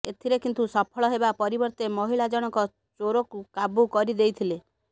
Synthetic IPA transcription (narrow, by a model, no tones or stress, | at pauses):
et̪ʰiɾekint̪usɔpʰɔɭɔɦebapɔɾibɔɾt̪emɔɦiɭad͡ʒɔɽ̃ɔkɔ | t͡ʃoɾokukabukɔɾid̪ejt̪ʰile